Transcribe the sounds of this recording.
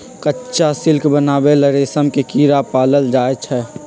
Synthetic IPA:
kətːʃasɪlkʰbənaːbeləɾeːsəmkekiːɾapaːləld͡ʒaːet͡ʃʰɛ

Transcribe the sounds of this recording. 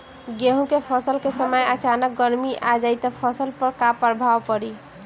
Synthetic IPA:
ɡeɦũkepʰəsəlkesəməjət͡ʃanək̚ɡəɾmiʔad͡ʒajt̪ɔpʰəsəlpəɾkapəɾbʱawpəɾi

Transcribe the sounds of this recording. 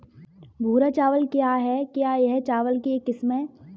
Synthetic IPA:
bʱuːɾat͡ʃaːʋəlkjaːɦɛkjaːjɛɦt͡ʃaːʋəlkekɪsmẽ

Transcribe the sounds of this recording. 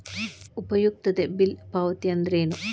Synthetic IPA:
ʊbɐjuk̚t̪ɐt̪ebɪlpaːʋɐt̪ijɐnd̪ɾeːnu

